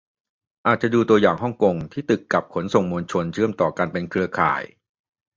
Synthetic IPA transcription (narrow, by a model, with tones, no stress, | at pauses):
ʔaː˨˩t̪̚t͡ɕa˨˩duː˧t̪u˧ɐjaː˨˩ŋɦɔ˥˩ŋko˧ŋt̪ʰiː˥˩t̪ɯ˨˩kːa˨˩p̚kʰo˩˦nso˨˩ŋmoː˧nt͡ɕʰo˧nt͡ɕʰɯ˥˩əmt̪ɔː˨˩kaː˧npe˧nkʰɯ˧ɐkʰa̰ː˨˩j